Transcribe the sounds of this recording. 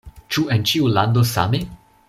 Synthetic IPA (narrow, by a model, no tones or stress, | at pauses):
t͡ʃuent͡ʃiuland̪osa̰me